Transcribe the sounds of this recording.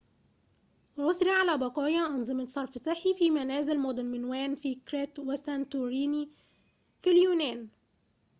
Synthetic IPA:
ʕʊθɾiʕalæːbɑqɑːjɑʔɑnzˤɨmɑsˤɑɾˤfsˤɨħːifiːmænæːzɪlmod̪ˤɪnmɪnwæːnfiːkɾet̪wasænt̪uɾiːni | filjuːnæːn

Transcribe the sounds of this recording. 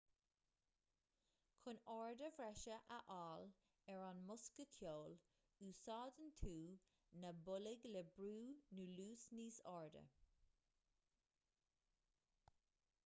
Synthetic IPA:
kʰʊnɔːɹdəvɹɛʃəʔəʔɑːl | ɛɹanmʊskəkʰjoːl | usɑːd̪ənt̪ʰuː | nəbʊlɪɡlɛbɾuːnuːluːsniːsɔːɹdə̰

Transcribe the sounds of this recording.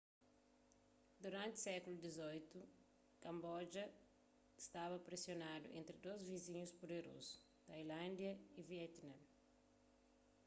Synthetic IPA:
d̪uɾãnt̪sɛkulud̪izojt̪u | kɐ̃mbɔd͡ʒɐ | ist̪avɐpɾesjonad̪ṵʔḛ̃nt̪ɾɪd̪ozvizĩɲuspod̪eɾo̰zu̥ | t̪ajlãnd̪jɐiviɛt̪nɐ̃m

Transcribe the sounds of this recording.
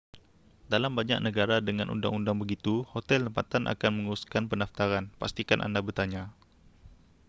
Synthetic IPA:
dalambaɲa̰k̚nəɡaɾadəŋanʔṵnda̰ŋundaŋbəɡit̪uhot̪ɛlt̪əmpat̪anʔa̰kanməŋəɾuskanpəndaft̪aɾanpa̰st̪ikanʔa̰ndabərt̪aɲa

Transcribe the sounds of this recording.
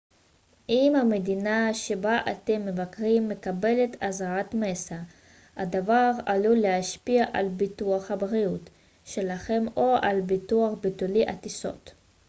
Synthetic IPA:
ʔimhame̞dinaʃe̞baʔate̞mːe̞vakʁimːe̞kabe̞le̞tazaʁatmesa | hadavaʁa̰lulehaʃpiaʔalbituaχhabʁiut | ʃe̞laχe̞moʔalbituaχbituliʔa̰tiso̞̰t

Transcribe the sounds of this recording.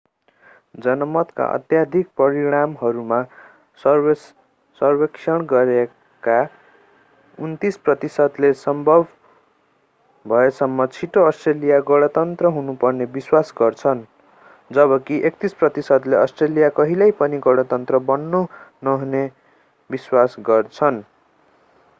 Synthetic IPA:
d͡zʌnʌmʌt̪ka̰ʔʌ̰t̪jad̪ʱik̚prʌɾiɽ̃amɦʌɾuma | sʌs | sʌrbeksʰʌɽ̃ɡʌɾe | ka | unt̪isprʌt̪isʌd̪lesʌmbʱʌbʱ | bʱʌesʌmːʌt͡sʰiʈoʌsʈrelijaɡʌɽʌt̪ʌnt̪rʌɦunupʌrnebiswasɡʌrt͡sʰʌn | d͡zʌbʌkiʔek̚t̪isprʌt̪isʌd̪leʌsʈrelijakʌɦilajpʌniɡʌɽʌt̪ʌnt̪rʌbʌnːonʌɦune | biswasɡʌrt͡sʰʌn

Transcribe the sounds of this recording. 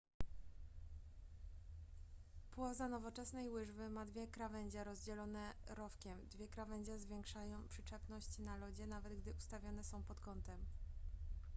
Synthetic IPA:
pwɔzanɔvɔt͡ʂɛsnɛjwɘʐvɘmad̪vʲjɛkɾavɛɲd͡ʑɛɾɔzd͡ʑɛlɔnɛɾɔfkʲɛmd̪vʲjɛkɾavɛɲd͡ʑazvʲjɛŋkʂajɔ̃w̃pʂɘt͡ʂɛpnɔɕt͡ɕinalɔd͡ʑɛnavɛd̪ɡd̪ɘʔust̪avʲjɔnɛsɔ̃w̃pɔt̪kɔnt̪ɛm

